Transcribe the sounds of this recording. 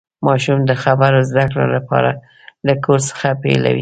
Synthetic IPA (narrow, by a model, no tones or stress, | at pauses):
mɑʃumd̪əxabaɾazd̪akɽo̰lapɑ̰ɾa | lakʰoɾsə̥xapḛla̰wḭ